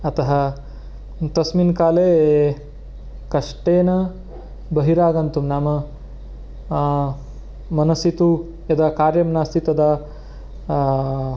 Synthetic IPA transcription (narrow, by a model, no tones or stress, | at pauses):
ɐt̪ɐɦɐ | t̪ɐsminkaːleː | kɐʂʈeːnɐ | bɐɦiɾaːɡɐnt̪umnaːmɐ | mɐnɐsit̪u | ɐd̪ɐkaːɾjɐmnaːst̪ʰit̪ɐd̪ɐ